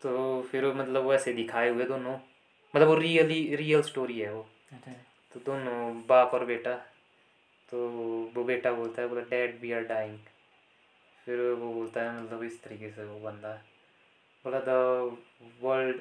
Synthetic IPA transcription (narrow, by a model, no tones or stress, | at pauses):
t̪oːpʰɪɾomɐt̪ləbʋoɛːsed̪ɪkʰaːeɦʊed̪oːnõː | mɐt̪ləbʋoɾiːəliɾiːəlsʈoːɾiɦɛːoː | t̪od̪oːnõbaːpɔːɾbeːʈa | t̪oːboːbeːʈaboːlt̪aɛboːlaɖɛːɖbiaːɾɖaːɪ̃ŋɡ | pʰɪɾoboːlt̪aɦɛmɐt̪ləbɪst̪əɾiːkeseobə̃nd̪aɦɛ | boːlad̪ə | ʋəlɖ